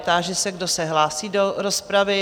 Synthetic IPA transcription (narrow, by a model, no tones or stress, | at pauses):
t̪aːʒɛsɛɡdo̞sɛɦlaːsiːdo̞ɾo̞spɾavɪ